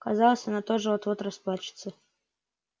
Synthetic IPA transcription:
kazɑlˠəsʲɐnat̪oʐɨot̪vot̪ɾɐsplˠat͡ɕɪ̥t̪sə

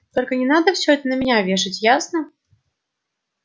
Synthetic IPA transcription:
t̪ɔlʲkənʲɛnad̪əfsʲɔɛt̪ənɐmʲɪnʲavʲeʂɨt͡sʲjasnɐ

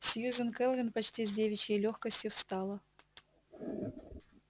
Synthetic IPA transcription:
sʲjuzʲənkɛlˠvʲɪnpɐt͡ɕtʲizʲdʲevʲɪt͡ɕəjlʲoxkəsʲtʲjʊfst̪ɑlˠə

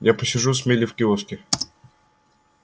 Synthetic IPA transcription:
japəsʲɪʐusmʲelʲɪfkʲɪoskʲɪ

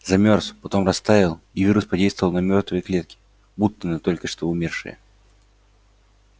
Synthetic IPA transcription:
zɐmʲorspɐt̪o̞mrɐst̪avʲɪlˠivʲiɾʊspɐdʲejst̪vəvəlˠnɐmʲo̞rt̪vəjəklʲe̞t̪̚kʲɪ̥ | but̪ːənət̪o̞lʲkəʂt̪o̞ʊmʲerʂɨ̰jə̰

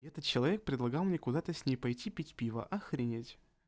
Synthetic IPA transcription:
ɛt̪ət̪̚t͡ɕɪlˠɐvʲek̚pɾʲɪd̪lˠɐɡɑlˠmnʲekʊd̪at̪əsʲnʲejpɐjtʲipʲitʲpʲivə̰ʔɐxɾʲɪnʲetʲ

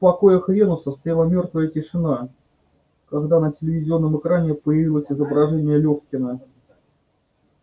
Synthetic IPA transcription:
pɐko̞jəxɾʲenʊsəst̪ɾʲalˠamʲo̞rt̪vəjətʲɪʂɨna | kɐɡd̪anətʲɪlʲɪvʲɪzʲɪo̞nːəmɨkɾanʲɪpəjɪvʲilˠəsʲɪzəbɾɐʐɛnʲɪjəlʲoxkʲɪnə

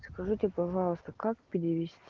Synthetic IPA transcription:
skɐʐɨtʲepɐʐɑlˠəst̪əkakpʲɪɾʲɪʋʲɪsʲtʲ

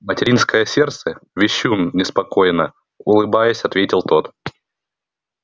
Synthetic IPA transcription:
mətʲɪɾʲinskəjəsʲert̪səvʲɪɕːumnʲɪspɐko̞jnə | ʊlˠɨbajəsʲɐt̪vʲetʲɪlˠt̪o̞t̪

